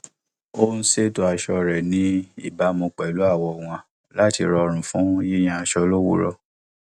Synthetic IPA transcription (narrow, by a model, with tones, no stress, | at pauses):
o˦n̩˦se˦to˧a˧ʃɔ˧ɾɛ˨nĩ˦i˦˨ba˦mũ˧k͡pɛ˨lu˨˦a˦˨wɔ˧w̃ã˧ | la˦ti˧ɾɔ˧ɾ̃ũ˨fũ˨˦ji˦j̃ã˧a˧ʃɔ˧lo˦wṵ˦ɾɔ̰˧